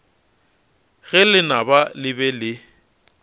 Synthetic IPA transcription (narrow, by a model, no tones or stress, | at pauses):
ɣɛlɪnabalɪbɛlɪ